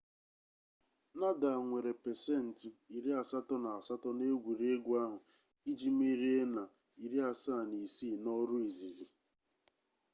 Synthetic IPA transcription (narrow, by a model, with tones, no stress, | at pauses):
na˦da˨a˨ŋʷe˨ɾe˨pe˨se˦˨n̩˨ti˨i˨ɾi˦a˨sa˦tɔ˦na˨a˨sa˦tɔ˦ne˦ɡʷu˨ɾe˦ɡʷu˦a˦ɦʊ˨ | i˦d͡ʒi˦mi˦ɾi˦e˦na˨ | i˨ɾi˦a˨sa˦˨ni˨si˦˨nɔ˦ɾu˦i˨zi˨zi˨